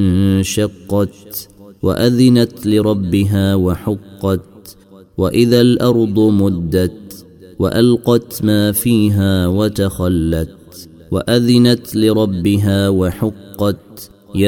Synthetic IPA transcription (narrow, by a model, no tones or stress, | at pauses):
ʃɑqːɑt̪wa̰ʔaðɪnat̪lɪɾˤɑbːɪɦaːwaħʊqːɑt̪̚ | waʔɪðalʔɑɾˤd̪ˤmʊd̪ːat̪ | wa̰ʔalqɑt̪maːfiːɦaːwat̪axalːat̪̚ | wa̰ʔaðɪnat̪lɪɾˤɑbːɪɦaːwaħʊqːɑt̪ | ja